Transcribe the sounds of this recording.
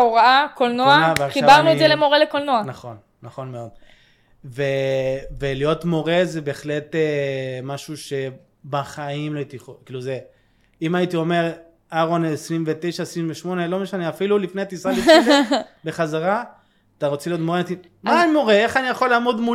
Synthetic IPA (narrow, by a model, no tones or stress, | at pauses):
oʁakolnoaavaiabaʁnuezelemoʁelekolnoanaχo̞n | naχo̞nmeo̞d̪ | vevelijo̞t̪mo̞ʁe̞zebe̞ːχle̞temaʃuʃe̞ | baχaimloait̪iχokiːluze | imait̪io̞me̞ʁ | aʁo̞nesʁimve̞t̪e̞jʃaesʁimveʃmo̞nelo̞meʃaneafilulifne̞at̪isʁaelizebeχazaʁa | ataʁot͡selijo̞t̪mo̞ʁeat̪i | manimo̞ʁee̞χanijaχolːaːmo̞d̪mu